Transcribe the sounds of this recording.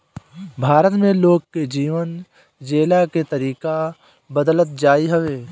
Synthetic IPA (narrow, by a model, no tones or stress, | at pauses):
bʱaːɾət̪mẽloːɡ̚ked͡ʒiːʋən | d͡ʒeːlaket̪ɐɾiːka | bəd̪lət̪̚d͡ʒaːiɦɐʋeː